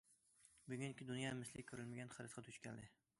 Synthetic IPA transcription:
bʊɡʲynkʲɪd̪ʊnjɑmɪslɪkʲkʰːøɾɪlmɪɡʲænχɨɾɨsqʰɑt̪ʰʊt͡ʃkʲɛ̰nlɪ

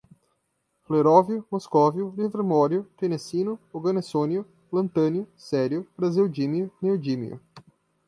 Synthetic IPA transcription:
fleɾɔvjʊmoskɔvjʊlivɾemɔɾjʊt̪enesinʊoɡɐnesoniʊ | lɐ̃nt̪ɐ̃njʊsɛɾjʊbɾaziwd͡ʒimiʊneod͡ʒimḭʊ̰

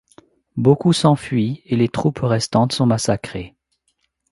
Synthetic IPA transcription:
bokusɑ̃fɥielet̪χupʁɛst̪ɑ̃t̪sɔ̃masakχe

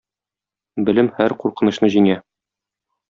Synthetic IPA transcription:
bɘ̆lɘmhæɾquɾqɤ̆nɤ̆ɕnɤʑiŋæ

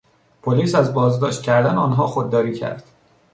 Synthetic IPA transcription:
pʰoliːsæzbɒːzd̪ɒːʃt̪̚cʰæɾd̪æneɒːnɦɒːxod̪ːɒːɾiːcʰæ̰ɾd̪̥

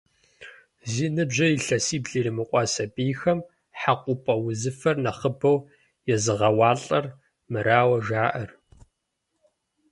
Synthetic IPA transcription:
ziːnɨbʑɐjiɬɐsiːbɮiɾimɨqʷʼɑsɐpʼiːxɐm | ħaqʷʼʊpʼɐwʊzɨfɐrnɐχəbɐw | jɛzɨʁɐwɑːɬʼɐr | mɨɾaːwɐʒaːʔɐr

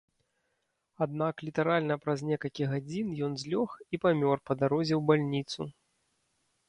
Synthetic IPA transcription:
ad̪̚naklʲit̪ɐɾalʲnɐpɾɐzʲnʲɛkɐlʲkʲiɣad͡zʲinjɔnzʲlʲɔxipamʲɔrpɐd̪aɾɔzʲɛwbalʲnʲit̪su

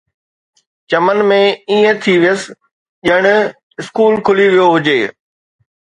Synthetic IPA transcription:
t͡ɕɐmənmẽiːə̃t̪ʰiʋɪjəs̆ | ʄɐɽ̃ | ɪskuːlkʰʊliʋijoɦʊd͡ʑeː

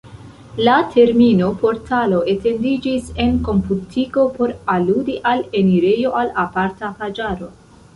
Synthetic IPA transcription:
latʰe̞ɾmino̞po̞ɾtʰalo̞ʔe̞te̞ndid͡ʒise̞nko̞mputʰiɡo̞po̞ɾaludiʔale̞niɾe̞jo̞ʔalapaɾtapad͡ʒaɾo̞

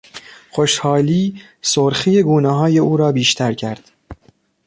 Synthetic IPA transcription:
xoʃhɒːliː | soɾxiːjeɡuːneɦɒːje̞ʔuːɾɒːbiːʃt̪ʰæɾcʰæɾd̪̥

